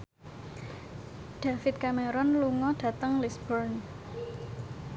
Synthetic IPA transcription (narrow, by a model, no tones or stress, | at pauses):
ɖ̥afɪt̪̚kameɾɔnluŋɔɖ̥ä̤t̪əŋlisbəɾn